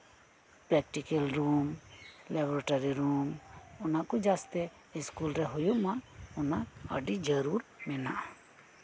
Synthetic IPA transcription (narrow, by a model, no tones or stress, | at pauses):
pɾɛk̚ʈikelɾumlɛbɔɾaʈaɾiɾumɔnaʔkɔd͡ʒast̪ɛ | iskulɾɛɦujuʔmaɔnaə̰ɖid͡ʒəɾuɾmɛnaʔ